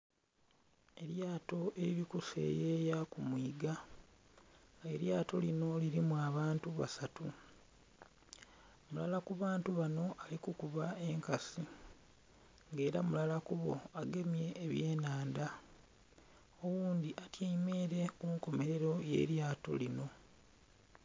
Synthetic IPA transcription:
e̞ɾjaːto̞ʔe̞ɾiɾikuse̞̰ːjeːjakumwiːɡa | e̞ɾjaːto̞lino̞liɾimwaːβaːntuβa̰satu | mulalakuβaːntuβano̞ʔalikukuβae̞ŋkasi | ŋɡe̞ːɾamulalakuβo̞̰aɡe̞mje̞ːβje̞ːnaːnda | owuːnd̪iʔatjaime̞ɾe̞kuːŋko̞me̞ɾe̞ɾo̞je̞̰ːɾjaːto̞̰lino̞

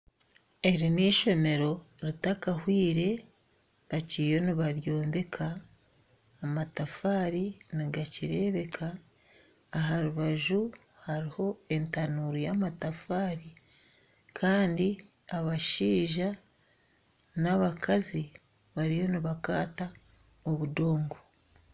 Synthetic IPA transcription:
e̞ɾiniʃo̞me̞ɾo̞ɾitakahwiːɾe̞ | βacijo̞niβaɾjo̞ːmbe̞kʰaː | matafaːɾiniɡaciɾe̞ːβe̞kʰaː | ɦaɾuβaʒu | haɾiho̞e̞ntanuːɾujaːmatafaːɾi | kʰaːndi | aβaʃiːʒa | naβakʰazi | βaɾijo̞niβakaːta | oβudo̞ːŋɡo

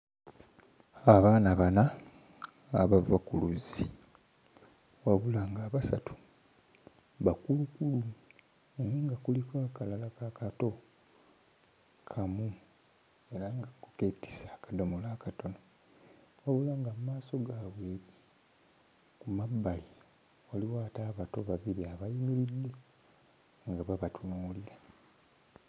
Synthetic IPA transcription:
aβaːnaβanaː | βavakuluzi | waβulaŋɡaːβasatu̥ | βakulukulu | eniŋɡakulikwaːkalalakakato̞ | kʰamu | eɾaŋɡakuketi̥saːkadomolaːkato̞no | waβulaŋɡammaːso̞ɡaβweːɾi | kumabːali | waliwaːtaːβato̞βaβiɾiaβajimiɾidːe | ŋɡaβaβatunoːliɾa

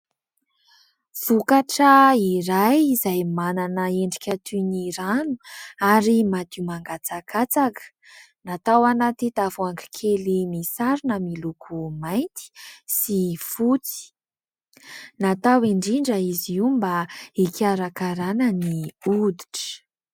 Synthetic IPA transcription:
v̥ukaʈ͡ʂəiɾajizajmananəeɳɖ͡ʐi̥kʲat̪ʰuniɾanu̥aɾimat̪imaŋɡat͡sakat͡sakə̥ | nat̪awanat̪it̪avuaŋki̥kʰelinisaɾinəmilukʰumajnt̪i̥sifut͡si̥ | nat̪awiɳɖ͡ʐiɳɖ͡ʐəiziwumbaikʲaɾakaɾanəniud̪i̥ʈ͡ʂə̥

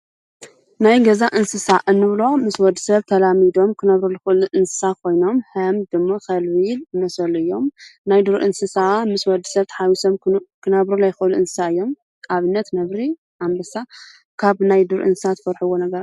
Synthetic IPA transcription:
najɡɐzaʔɨnsɨsaʔɨnːɨβlo̞mɨswɔd̪ːɨsɐβt̪ʰɐlamid̪o̞mkʰɨnɐβɾolɨxɨʔɨluʔɨnsɨ̥sakʰo̞jno̞mhɐmd̪ɨmːakɐlβiljɨmɐsɐlʔɨjːo̞mnajd̪ɨɾʔɨnsɨsamɨswɔd̪ːisɐβt̪ʰħawisɐβkʰɨnɐβɾolajɪxɨʔluʔɨnsɨ̥saɨjːo̞m | ʔaβɨnːɐt̪nɐβɾi | ʔambɐsa | kʰaβnajd̪ɨɾʔɨ̰nsɨ̥sat̪ʰfɐɾħɨwonɐɡɐɾa

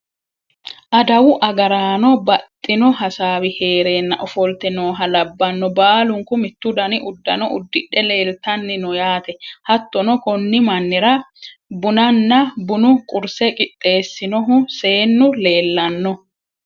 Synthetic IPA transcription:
ʔɐd̪ɐwʊʔɐɡɐɾaːnɔbɐt̪ʼːɪnɔɦɐsaːwɪhe̞ːɾe̞ːnːɐʔɔfɔlt̪ɛnoːɦɐlɐbːɐnːɔbaːlʊŋkʊmɪt̪ːʊd̪ɐnɪʔʊd̪ːɐnɔʔʊd̪ːɪᶑɛle̞ːlt̪ɐnːɪnɔjaːt̪ɛhɐt̪ːɔnɔkɔnːɪmɐnːɪɾɐbʊnɐnːɐbʊnʊkʼʊɾsɛkʼɪt̪ʼːe̞ːsːɪnɔɦʊse̞ːnːʊle̞ːlːɐnːɔ

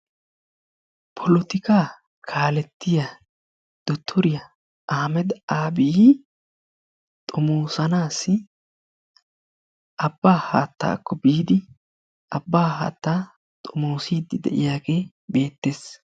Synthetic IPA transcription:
pʰɔlɔt̪ɪkaː | kʰaːlɛt̪ːɪja | d̪̥ɔt̪ʰːɔɾɪjɐ | ʔaːmɛd̪aːbɪj | t̪ʼɔmoːsɐnaːsːɪ | ʔɐbːaːha̰ːt̪ːa̰ːkːɔbiːd̪ɪ | ʔɐbːaːha̰ːt̪ːaː | t̪ʼɔmoːsiːd̪ːɪd̪ɛ̰ʔɪ̰jaːɡe̞ː | be̞ːt̪ːe̞ːs

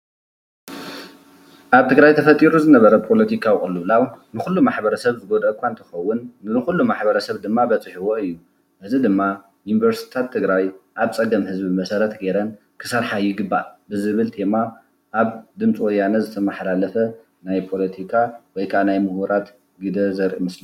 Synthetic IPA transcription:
ʔaβt̪ʰɨɡɾajt̪ʰɐfɐt̪ʼiɾuzɨnɐβɐɾɐpʰo̞lɐt̪ʰikʰawxʼɨlɨβlawnɨxulːumaħbɐɾɐsɐβzɨɡod̪ʔɐkʷʰːant̪ʰɨ̥xɐwːʊnɨnɨxulːumaħbɐɾɐsɐβd̪ɨmːabɐt͡sʼɨħiwoɨjːu | ʔɨzid̪ɨmːa | junivɐɾsi̥t̪ʰat̪ʰːɨɡɾajʔaβt͡sʼɐɡɐmhɨzbimɐsɐɾɐt̪ɡeɾɐn | kʰɨsɐɾħajːuɡɨbːabɨzɨβɨlt̪ʰe̞ma | ʔːβd̪ɨmt͡sʼwɔjanɐzɨt̪ʰɐmɐħlalɐfɐ | najpʰo̞lɐt̪ʰikʰawɔjkʰanajmɨhuɾat̪ | ɡid̪ɐzɐɾʔmɨsli

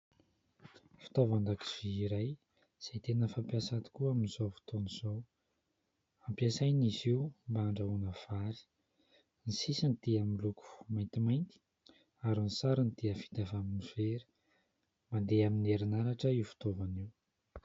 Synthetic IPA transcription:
fi̥t̪ovand̪aki̥v̥iːɾaj | z̥ajt̪enəfampiasat̪i̥kuaminizofi̥t̪oniz̥ow | ampjasajniziwmbaɳɖ͡ʐaunəv̥aɾi̥ | nisisinit̪iamiluku̥majnt̪imajnt̪i̥ | aɾinisaɾənd̪iəfi̥t̪avaminiv̥eɾi̥ | mand̪eamineɾinaɾaʈ͡ʂəiwfi̥t̪ovaniw

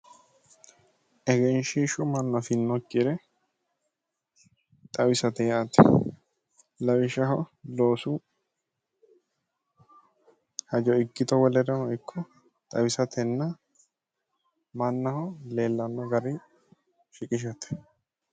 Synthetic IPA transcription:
ʔɛɡɛnʃiʃʊmɐnːɐfɪnːɔkʼːɪɾɛ | t̪ʼɐwɪsɐt̪ɛjaːt̪ɛ̰ | lɐwɪʃɐɦɔlo̞ːsu | hɐd͡ʒɔɪɡːɪt̪ɔwɔlɛɾɛhɔjkʰːɔ | t̪ʼɐwɪsɐt̪ʰɛnːɐ | mɐnːɐhɔle̞ːlːɐnːɔɡɐɾɪ | ʃɪkʼɪʃ̬ɐt̪ɛ̥

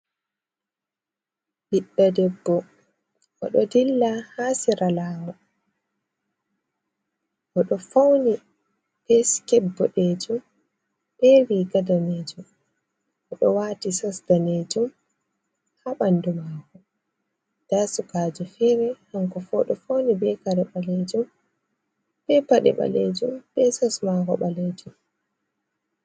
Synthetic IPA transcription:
biɗːadɛbːɔ | ʔɔ̰ɗɔdilːahaːsiɾalaːmɔ | ʔɔɗɔfawni | ɗɛskɛbːɔɗɛd͡ʒum | ɓɛwiɡadaneːd͡ʒum | ʔɔɗɔwaːtisɔsdaneːd͡ʒum | haɓandumaːkɔ | d̥asukaːd͡ʒufɛɾɛhaŋkɔfɔɗɔfawnibɛkaɾɛɓaled͡ʒum | ɓ̥ɛpaɗɛ̰ɓa̰lḛd͡ʒumɓɛsɔsmakɔɓaleːd͡ʒum

